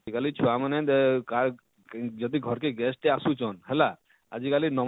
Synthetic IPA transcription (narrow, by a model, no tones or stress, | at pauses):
ikalit͡ʃʰuamanet̪ka | d͡ʒɔd̪iɡʱɔɾkeɡɛsʈeasut͡ʃɔnɦɛla | a̰d͡ʒikalinɔm